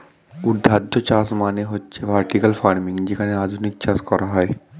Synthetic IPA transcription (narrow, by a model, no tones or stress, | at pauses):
ud̪ʱːad̪ʱːot͡ʃasmaːneɦotːʃʰeʋaɾʈikəlfaːɾmĩŋd͡ʒekaneaːd̪ʱunik̚t͡ʃaːskɔɾʔaɦɔe